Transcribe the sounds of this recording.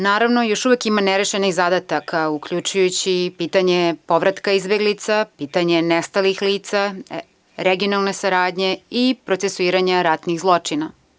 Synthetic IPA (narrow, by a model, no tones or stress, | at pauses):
naːɾaʋno̞jo̞ʃuʋekimaneɾeʃeniɣzad̪at̪akʰaukʎut͡ʃujut͡ɕipiːt̪aɲepo̞ʋɾat̪kaizbe̞ɡlit̪sapiːt̪aɲe̞nest̪alixliːt̪sa | ɾeɡio̞nalˠnesaɾaːd̪ɲeipɾo̞t̪sesuiːɾaɲaɾat̪niɣzlˠo̞t͡ʂina